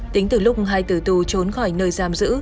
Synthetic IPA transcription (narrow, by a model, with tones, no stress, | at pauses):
t̪i˨˦ŋ̟t̪ɨ˧˩lʊ˦˥k͡p̚ɦaː˧jt̪ɨ˧˩t̪u˧˩t͡ɕo˨˦nxɔ˧˩jnəː˧jzaː˧˩mzɨ̰˧˥